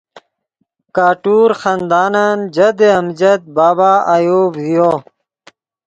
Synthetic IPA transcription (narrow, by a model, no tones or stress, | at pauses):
kaːʈuːɾxand̪aːnand͡ʑɐd̪eɐmd͡ʑɐt̪̚baːbaːʔajoːbɦijo